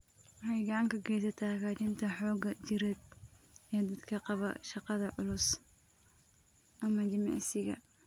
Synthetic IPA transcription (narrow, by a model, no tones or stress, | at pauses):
wɑħɛjɡɐʕɑŋkʰɐɡɛːjsɐt̪ʰakaːt͡ʃɪnt̪ʰɐħɔːɡɐd͡ʒɪɾɛd̪̚ | ɛd̪ɐd̪kʰɐqɑβɐ̰ʃɑqɑðɐʕʊlʊs | ʔɐmɐd̪ɪmɑ̰ʕsɪɣɐ̰